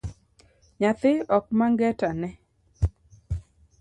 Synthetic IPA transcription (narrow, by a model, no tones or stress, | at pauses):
ɲat̪ɪɔk̚maŋɡɛtanɛ